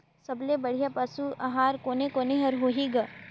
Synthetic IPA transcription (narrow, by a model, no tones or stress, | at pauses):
sɐblebɐɽ̤ijapɐsuɐɦaːɾkoːnekoːneɦɐɾɦoɦiɡa